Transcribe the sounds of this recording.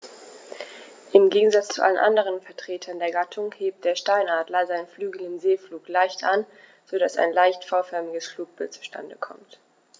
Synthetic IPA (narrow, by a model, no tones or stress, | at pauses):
ʔɪmɡeːɡŋ̩zat͡st͡sṵʔa̰lənʔa̰ndəʁ̞ənfɛɐtʁ̥eːtʰɐndeːɐɡatʰʊŋheːp̚t̚d̥eːɐʃtaɪnaːdlɐzaɪnənflyːɡl̩ɪmzeːfluːklaɪçtʔa̰n | z̥odasa̰ɪnlaɪçtfɔʊfɛɐmɪɡəsfluːk̚b̥ɪlt̚t͡su̥ʃtʰa̰ndəkʰɔ̰mt